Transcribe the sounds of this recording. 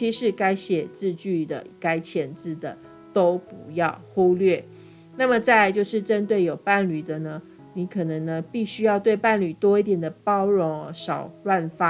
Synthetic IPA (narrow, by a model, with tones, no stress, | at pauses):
t͡ɕʰi˧˥ʂɻ̩˥˩ka˥ɪɕjɛ˨˩t͡sɹ̩˥˧t͡ɕy˥˩d̪ə̰˩ka˥˦ɪt͡ɕʰjɛ˧˥nt͡sɹ̩˥˩d̪ə̰˩ | t̪o˦˥ʊpu˧˦jɑ˥˩ʊxu˥lɥɛ˥˩ | na˥˩mə˨t͡sa˥˧ɪt͡ɕjo˥˧ʊʂɻ̩˥˩ʈ͡ʂə˦nt̪̬we˥˩ɪjo˨˩ʊpa˥˨˩nly˨˩d̪ə˨nə˦ | ni˧˥kʰɤ˨˩nɤ˧˦ŋnə˧pi˥˩ɕy˥jɑ˥˧ʊt̪we˥˧ɪpa˥˩nly˨˩t̪wɔ˥i˥˩t̪jɛ˨˩nd̪ə˩˦pɑ˥ʊɻʊ˧˥ŋ˧˦ʂɑ˨˩ʊlwa˥˧nfa˦˥